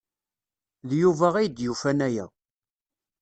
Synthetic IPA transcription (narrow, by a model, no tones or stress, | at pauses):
ðjuvæʁæjd̪jufænæjæ̰